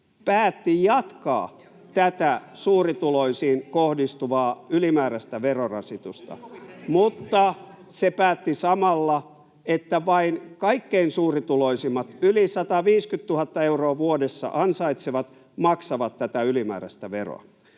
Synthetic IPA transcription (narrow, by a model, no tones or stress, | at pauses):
pæːt̪ːijɑt̪kɑ̰ː | t̪æt̪æsuːrit̪uloisiːnkohdist̪uʋɑːylimæːɾæst̪æʋerorɑ̰sit̪ust̪ɑ̰mut̪ːɑ | sepæːt̪ːisɑmɑlːɑ | et̪ːæʋɑinkɑikːeinsuːrit̪uloisimːɑt̪ylisɑt̪ɑʋiːskyt̪t̪uhɑt̪ːɑeuroːʋuodesːɑ̰ʔɑnsɑit̪seʋɑt̪ | mɑksɑʋɑt̪tːæt̪æylimæ̰ːræ̰st̪æʋero̰